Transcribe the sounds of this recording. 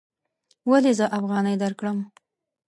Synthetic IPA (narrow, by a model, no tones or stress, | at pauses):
walezəʔafɣɑnəjd̪aɾkɽəm